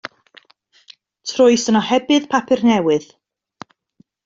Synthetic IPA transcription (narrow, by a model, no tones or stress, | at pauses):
tʰrʊɨsənɔhɛbɨðpʰapʰɪrnɛwɪð̥